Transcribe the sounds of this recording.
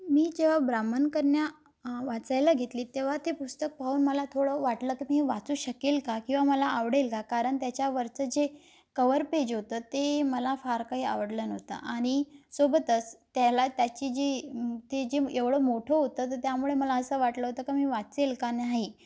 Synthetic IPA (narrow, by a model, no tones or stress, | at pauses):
miːd͡ʑeʋ̤abɾamənkəɾɳja | ʋat͡sajlaɡʱet̪liːt̪eʋ̤at̪epust̪ək̚pauːnməlat̪ʰoɽəʋaʈləːkimiʋat͡suːɕəkelkakĩw̃ʋaməlaaʋɽelkakaɾəɳt̪jat͡ɕjaʋəɾt͡səd͡ʑe | kəʋəɾped͡ʑɦot̪əːt̪eməlafaɾkaɦiːa̰ʋəɽlənəʋt̪a̰ʔaɽ̃isobət̪ət͡st̪jalat̪jat͡ɕiːd͡ʑet̪ed͡ʑeeʋɭəmoʈʰoɦot̪əːt̪ət̪jamuɭeməlaəsəːʋaʈləɦot̪əkamiːʋat͡selkanaɦi